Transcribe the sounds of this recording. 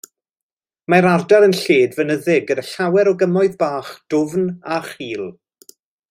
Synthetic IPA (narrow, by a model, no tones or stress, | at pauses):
maɾardaɾənɬeːdvənəðɪɡədəɬawɛɾɔɡəmɔɨðbaːχd̥ʊvnaχiːlˠ